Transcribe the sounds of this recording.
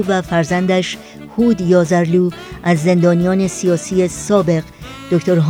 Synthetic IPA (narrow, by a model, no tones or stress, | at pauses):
væfæɾzænd̪æʃ | huːd̪jɒːzæɾluː | ʔæzːe̞nd̪ɒːnijɒːne̞sijɒːsiːe̞sɒːbe̞ɣ | d̪̥okʰt̪oɾɦ